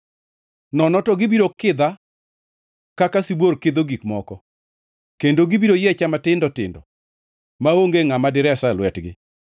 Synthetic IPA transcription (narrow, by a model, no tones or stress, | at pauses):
nɔnɔtɔɡɪbiɾokɪd̪a | kakasibwoɾkɪd̪oɡikmɔkɔ | kendoɡibiɾojet͡ʃamatɪndɔtɪndɔ | maoŋɡeŋamadɪɾɛsalwɛtɡɪ̰